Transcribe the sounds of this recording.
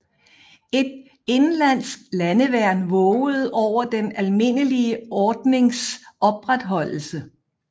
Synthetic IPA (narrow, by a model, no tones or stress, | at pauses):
e̝d̥ | e̝nlæn̰sɡ̥lænəʋæɐ̰nʋɔʊð̞̩ˠɒʊ̰ɐd̥enælme̝n̰əliəɒːd̥ne̝ŋsɒ̽b̥ʁad̥ɦɒ̽l̰l̩sə